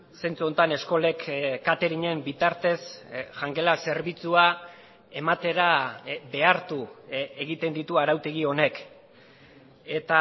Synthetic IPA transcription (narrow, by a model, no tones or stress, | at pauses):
se̞nt͡suo̞nt̪ane̞sko̞le̞kkːat̪e̞ɾiɲe̞mbit̪aɾt̪e̞sʝaŋɡe̞lase̞ɾβit͡sua | e̞mat̪e̞ɾabe̞aɾt̪ueɣit̪e̞nd̪it̪uaɾawt̪e̞ɣio̞ne̞k | e̞t̪a